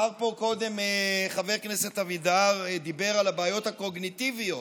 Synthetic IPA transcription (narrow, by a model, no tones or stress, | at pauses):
aʁpo̞ko̞d̪e̞mχaveʁkneset̪avid̪aʁd̪ibe̞ʁalabaːjo̞t̪hako̞ɡnit̪ivijo